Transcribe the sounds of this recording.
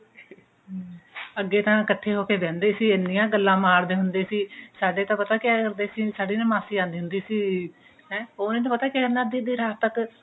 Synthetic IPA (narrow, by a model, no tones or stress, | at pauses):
əɡːeːt̪ãːkət̪ʰːeːɦoːkeːb̪ɛ̃ːnd̪eːsiːɪnːɪjãːɡəlːãːmaːɾd̪eːɦʊnd̪eːsiːsaːɖeːt̪ãːpət̪aːkɪjaːkəɾd̪eːsiːsaːɖiːnə̃ːmaːsiːãːnd̪iːɦʊnd̪iːsiː | ɦɛ̃ːoːnẽːt̪ãːpət̪aːkaːkəɾnaːd̪iːd̪iːɾaːt̪ək